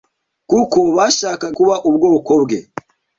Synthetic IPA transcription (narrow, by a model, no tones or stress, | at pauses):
kuko̞βaːʃaːkakuβaʔuβɡo̞ːko̞bɡe